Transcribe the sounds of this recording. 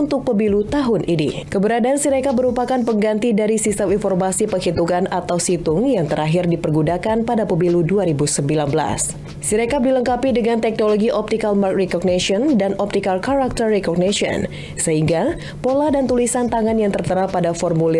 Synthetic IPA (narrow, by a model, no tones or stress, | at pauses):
unt̪ʊk̚pəbilut̪aɦʊnʔinḭkəbəɾadaːnsiɾekaməɾupakanpəŋɡant̪idaɾisist̪əminfɔrmasipəhit̪uɡanat̪awsit̪ʊŋjaŋt̪əɾaɦirdipərɡudakanpadapəbiluduaɾibusəmbilanbəla̰s | siɾekap̚diləŋkapidəŋant̪ɛk̚noloɡiʔɔp̚t̪ikalmark̚rɛkɔɡ̚neʃiɔndanɔp̚t̪ikalkaɾak̚t̪ərːɛkɔɡ̚nasiɔ̰n | səɦiŋɡa | polahdant̪ulisant̪aŋanjaŋt̪ərt̪əɾapːadafɔrmuli